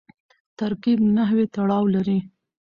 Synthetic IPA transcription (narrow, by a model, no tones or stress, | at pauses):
t̪aɾkibnaɦwet̪aɽɑwlaɾi